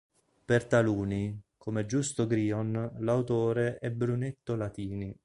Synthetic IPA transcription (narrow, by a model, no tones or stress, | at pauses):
pert̪aluːnikʰomed͡ʒust̪oɡɾiːonlawt̪oːɾeʔɛbɾunet̪ːolat̪iːni